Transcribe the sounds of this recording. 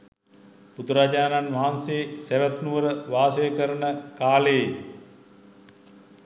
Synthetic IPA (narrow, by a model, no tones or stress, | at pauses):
put̪uɾad͡ʑaːnanʋaɦanseːsæʋæt̪nuʋəɾəʋaːsəjəkəɾənəkaːləj